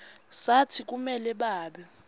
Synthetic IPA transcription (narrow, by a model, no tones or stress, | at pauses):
satʰik̬ʼumɛlɛɓaːɓɛ